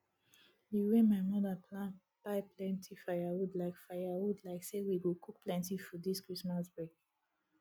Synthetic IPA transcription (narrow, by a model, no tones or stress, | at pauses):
jiwɛ̃maɪmɔðapla | b̥aɪplɛ̃ntʰifajawudlaɪkfaɪjawudlaɪksewiwilkʰuk̚plɛ̃ntifɔdiskɹismasbɹek̚